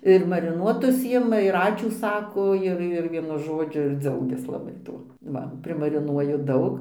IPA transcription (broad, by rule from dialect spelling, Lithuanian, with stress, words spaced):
ɪr mɐrʲɪˈnuɔtʊs ˈjɪmɐ ɪr ˈɑːt͡ʃʲuː ˈsɑːkoː ˈɪr ɪr ˈʋʲiɛnʊ ˈʒoːd͡ʒʲʊ ɪr ˈd͡zɐʊɡʲɛs lˠɐˈbɐɪ ˈtuɔ ˈʋɐ pʲrʲɪmɐrʲɪˈnuɔjʊ ˈdɐʊk